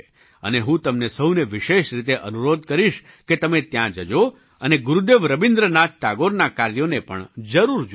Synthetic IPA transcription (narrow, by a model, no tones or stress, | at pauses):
ə̰neɦũt̪əmnesəwneʋɪʃeʃɾit̪eʔənuɾod̪̚kəɾiʃ | ket̪əmet̪jãd͡ʒəd͡ʒo | əneɡuɾud̪eʋɾəbind̪ɾənat̪ʈaɡoɾnakaɾjonepə̰ɳd͡ʒəɾuɾd͡ʒ